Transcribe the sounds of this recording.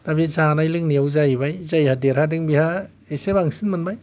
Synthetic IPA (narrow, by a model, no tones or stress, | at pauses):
dabizanajlɯŋniawzajibajzajhadeɾhadɯŋbiha | esebaŋsinmanbaj